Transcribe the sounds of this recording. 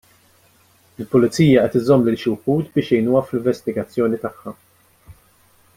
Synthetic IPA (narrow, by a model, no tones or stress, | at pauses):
ɪlpʊlɪt͡siːjɐʔɛt̪ɪzɔmːlɪlʃʊwħuːt̪bɪːʃjɛjnuːɐflɪɱvɛst̪ɪɡɐt͡sːjɔːnit̪ɐħːɐ